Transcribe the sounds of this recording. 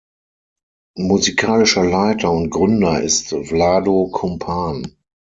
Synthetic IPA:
muzikʰaːlɪʃɐlaɪtʰɐʊntɡ̥ʁʏndɐʔɪstvlaːdokʰɔmpʰaːn

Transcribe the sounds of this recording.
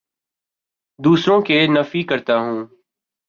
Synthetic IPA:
d̪uːsɾõːkeːnəfiːkəɾt̪aːɦũː

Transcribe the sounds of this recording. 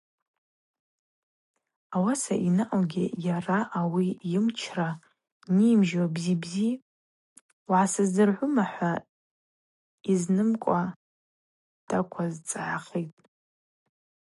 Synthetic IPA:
awasa̰ʔinɨʔawɡʲɪjaraʔawijɪmt͡ʃʰra | niːmʒwabzibzi | wʕasɨzdɨrʕʷʊmaħʷa | iznɨmkʷʼa | dʰʼakʷʰazt͡sʼʕaχitʼ

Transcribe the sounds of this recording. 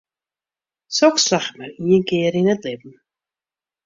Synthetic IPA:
sɔkslaχtmaɾiənkɪːəɾinətlɪbm̩

